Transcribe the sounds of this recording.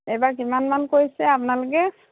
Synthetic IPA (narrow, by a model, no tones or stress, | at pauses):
ɛbak̬imanmankojsɛap̬ʊnalʊkɛ